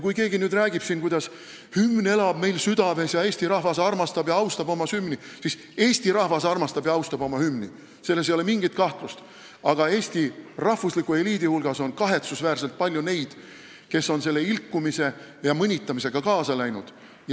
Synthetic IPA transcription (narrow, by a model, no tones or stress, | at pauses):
kujke̞ːɡinyːd̪ræːɡib̥sinkujd̪̥ɑs | hymne̞lɑb̥me̞jlsyd̪̥ɑve̞sjɑe̞ːsʲt̪iɾɑhvɑsɑrmɑst̪ɑbjɑɑwst̪ɑbo̞mɑsymnisis | e̞ːsʲt̪iɾɑhvɑsɑrmɑst̪ɑbjɑɑwst̪ɑbo̞mɑhymni | se̞lːes̬ejolemiŋɡ̥it̪̚kɑht̪lust̪ | ɑɡ̥ɑe̞ːsʲt̪irɑhvuslikue̞liːd̪ihulɡ̥ɑso̞nkɑɦe̞t̪susvæːrselt̪̚pɑlʲjune̞jd̪̥ | ke̞so̞nse̞lːe̞ilkːumise̞ | jɑmɤnʲit̪ːˑɑmise̞ɡ̥ɑkɑːsɑlæjnud̪̥ | j